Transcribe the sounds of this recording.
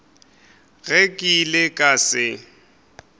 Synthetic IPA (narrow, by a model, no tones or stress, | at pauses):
ɣɛkʼilɪkʼasɪ